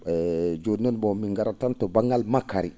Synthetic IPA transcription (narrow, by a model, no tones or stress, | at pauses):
ɛd͡ʒonɔnbɔmiŋɡaɾatantɔbaŋɡalmakːaɾi